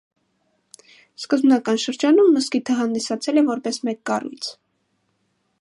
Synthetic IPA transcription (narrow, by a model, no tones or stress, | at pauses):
skəzbnɑkɑnʃəɾd͡ʒɑnumːəskit̪ʰəɦɑnd̪isɑt͡sʰɛlɛvɔɾpɛsmɛkːɑrṵjt͡sʰ